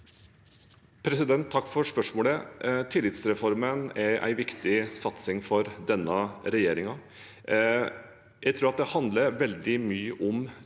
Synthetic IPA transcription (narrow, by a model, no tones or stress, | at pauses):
pʰɾɛsɪd̪ɛnt̪ʰːɑkːfɔɾʂpœʂmoːlət̪ʰɪlːɪt̪sɾɛfɔɾmənɛɾʔæ̰ɪʋɪkt̪ɪsɑt̪sɪŋfɔɾd̪ɛnːəɾɛjeːɾɪŋɑ | jæɪt̪ʰɾuːɾɑt̪̚d̪ɛhɑnd̪ləɾʋɛld̪ɪmyːəʔʊm